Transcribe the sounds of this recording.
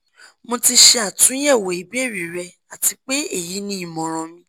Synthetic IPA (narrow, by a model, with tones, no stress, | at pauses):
mõ˧ti˧ʃe˧a˨tũ˨˦jɛ˦˨wo˨i˨˦bi˦ɛ˦˨ɾi˨ɾɛ˧ | a˨ti˧k͡pe˦e˦˨ji˨˦nĩ˦i˦˨mɔ̃˨ɾ̃ɔ̃˧mĩ˧